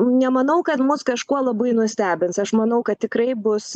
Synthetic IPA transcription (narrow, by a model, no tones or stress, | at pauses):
nʲɛmɐnɐʊkɐt̪mʊskɐʃkuɔlˠɐbɐɪnʊsʲt̪ʲæːbʲɪnsɐʃmɐnɐʊkɐt̪̚tʲɪkɾɐɪbʊs